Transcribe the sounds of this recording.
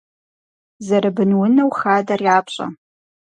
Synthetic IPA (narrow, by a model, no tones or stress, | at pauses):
zɐɾabɨnwʊnɐwχaːdarjaːpʰɕʼɐ̰